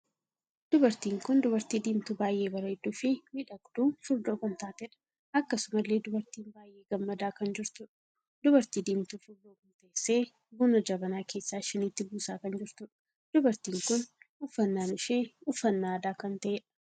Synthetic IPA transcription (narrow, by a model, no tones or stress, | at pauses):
d̪̥ʊbɐɾt̪iːŋkʊnd̪ʊbɐɾt̪iːd̪iːmt̪uːbaːjʔe̞ːbɐɾɐɛd̪uːfɪmɪᶑɐɡd̪̥uːfʊɾd̪o̞ːkɐnt̪aːt̪ɛᶑɐ̥ | ʔɐkːɐsʊmɐlːe̞ːd̪ʊbɐɾt̪iːnbaːjʔeːɡɐmːɐd̪aːkɐnd͡ʒɪɾt̪ʊᶑɐ̥ | d̪̥ʊbɐɾt̪iːd̪iːmt̪uːfʊɾd̪oːkɐnt̪ɐʔesːe̞ː | bʊnɐd͡ʒɐbɐnaːkʰe̞ːsːaːʃɪniːt̪ːɪbuːsaːkɐnd͡ʒɪɾt̪ʊᶑɐ̥ | d̪̥ʊbɐɾt̪iːŋkʊnʊfːɐnːaːnɪʃeːʊfːɐnːaːd̪aːkɐnt̪ɐʔeːᶑɐ̥